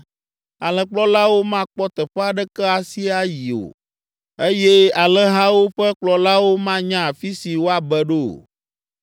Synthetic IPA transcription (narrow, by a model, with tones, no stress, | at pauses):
a˨lɛ˨k͡plɔ˦la˦wo˦mã˦k͡pɔ˦t̪ɛ˨ɸɛ˦a˨ɖɛ˦kɛ˦a˨si˦a˦ji˨o̰˨ | e˦jɛ˦a˨lɛ˦ɦã˦wo˦ɸɛ˦k͡plɔ˨la˦wo˦mã˦ɲã˦˨fi˦si˨wo˦a˨bɛ˦ɖo˦˨